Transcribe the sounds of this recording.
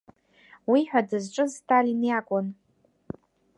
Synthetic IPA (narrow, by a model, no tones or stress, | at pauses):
wiħʷᶣadɨzʈ͡ʂʼɨztʰalinjakʷʼʊn